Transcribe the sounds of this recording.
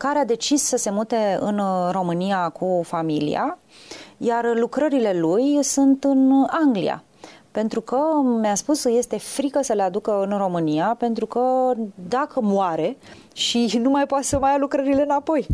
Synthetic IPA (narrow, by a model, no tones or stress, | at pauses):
kaɾead̪e̞t͡ʃissəse̞mut̪e̞ɨ̰nro̞mɨniakʰufamilḭa̰ | jarlukɾəɾile̞lujsunt̪ɨnaŋɡlḭja̰ | pe̞nt̪ɾukəmaspusje̞st̪e̞fɾikəsəle̞ad̪ukəɨnro̞mɨniape̞nt̪ɾukəd̪akʰəmoaɾe̞ | ʃinumajpoat̪səmajalukɾəɾile̞ɨnapo̞j